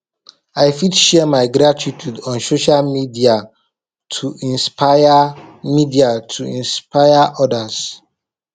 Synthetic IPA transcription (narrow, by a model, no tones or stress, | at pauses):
aɪfidʃɛmaɪɡɾatitudɔ̃nsoʃalmidia | tʰuĩnspʰajamidiatʰuĩnspaɪaʔɔdas